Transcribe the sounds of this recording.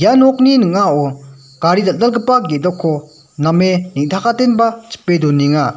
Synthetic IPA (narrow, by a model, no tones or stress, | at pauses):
janɔk̚ninɯŋao | kaɾid̪alalɡəpːaɡed̪ɔkʰːo | nameniŋt̪ʰakʰat̪enbat͡ʃi̥pːed̪oniŋa